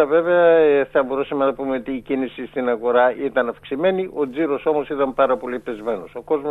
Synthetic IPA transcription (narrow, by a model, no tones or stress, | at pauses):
ɐve̞ve̞ɐθɐbo̞ɾusɐme̞nɐpume̞o̞t̪iːcinisist̪inɐɣo̞ɾɐit̪ɐnɐfksime̞niʔo̞d͡ziɾo̞so̞mo̞sit̪ɐmpɐɾɐpo̞lipezme̞no̞so̞ko̞zmo